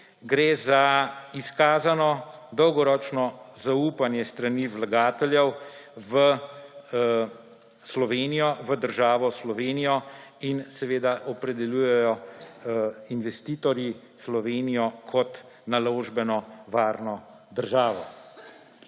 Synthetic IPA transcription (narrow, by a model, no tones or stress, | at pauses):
ɡɾeːzaiskaːzanɔd̪ɔwɡɔɾɔːt͡ʃnɔzauːpanjɛst̪ɾaniʋlaɡaːt̪ɛljɛwʋə | slɔʋeːnijɔʋəd̪əɾʒaːʋɔslɔʋeːnijɔinsɛʋeːd̪aʔɔpɾɛd̪ɛljuːjɛjɔ | inʋɛst̪iːt̪ɔɾji | slɔʋeːnijɔkʰɔt̪ | naloːʒbɛnɔʋaːɾnɔ | d̪əɾʒaːʋɔ̰